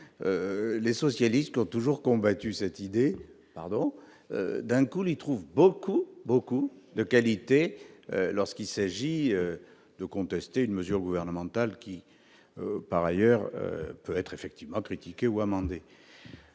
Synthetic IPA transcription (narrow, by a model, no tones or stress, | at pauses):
ølesɔsjalist̪̚kʲiɔ̃t̪uʒuʁkɔ̃bat̪ysɛt̪id̪e | pa̰ʁd̪ɔ̃ | ø̰d̪ɛ̃kulit̪χuvbokubokud̪əkalit̪eølɔʁskilsaʒiø | d̪̥əkɔ̃t̪ɛst̪eynməzyʁɡuvɛʁnəmɑ̃t̪alkʲi | øpaʁajœʁø̰pøɛt̪χefɛk̚t̪ivmɑ̃kχit̪ikʲeuamɑ̃d̪e